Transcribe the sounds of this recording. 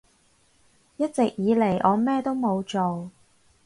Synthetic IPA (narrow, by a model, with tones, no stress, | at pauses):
jɐ˥t̚t͡sɪ˨k̚jiː˨˧le˨˩jʔɔː˨˧mɛː˥t̪o˥wmo˨˧wt͡so˨w